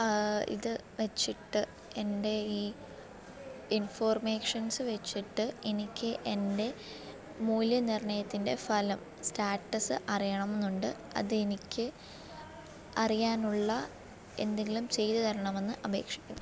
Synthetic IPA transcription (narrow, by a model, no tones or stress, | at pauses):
ḭðɨ | ʋet͡ɕːiʈːɨ | e̞nde̞iː | info̞ːrmeːkʂɐnsɨʋet͡ɕːiʈːɨenikʲːɨʔe̞nde̞ | muːljɐnirɳɐjɐt̪ːinde̞fɐlɐm | staːʈːɐsɨʔɐrijɐɳɐme̞nːuɳɖɨ | ɐ̰ðɨe̞nikʲːɨ | ɐrijaːnuɭːɐ | e̞̰nd̪e̞ŋɡʲilumt͡ɕe̞jt̪ɐt̪ɐɾɐɳɐme̞nːɨʔɐbʱe̞̰ːkʂi̥kʲːṵɐ